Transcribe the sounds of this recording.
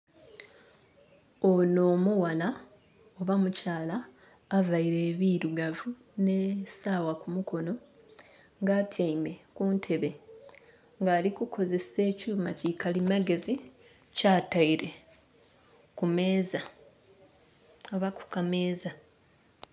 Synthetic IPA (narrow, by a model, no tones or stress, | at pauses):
ono̞ːmuwala | o̞βamucaːlaː | vaiɾe̞ːβiɾuɡavu | nesaːwakumuko̞no̞ | ŋɡaːtʰaime̞kuntʰe̞βe̞ | ŋɡaːlikukʰo̞ze̞se̞ːcuːmacikalimaɡe̞zi | caːtaiɾe̞ | kumeːza | aβaku̥kameːza